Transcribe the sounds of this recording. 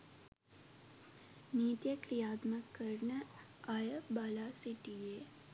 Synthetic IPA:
niːt̪jəkɾijaːt̪məkːəɾɳə | ajəbaːlaːsiʈijeː

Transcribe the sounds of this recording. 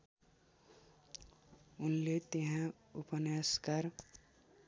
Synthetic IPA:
ʊnlet̪eɦã | upənskaɾ

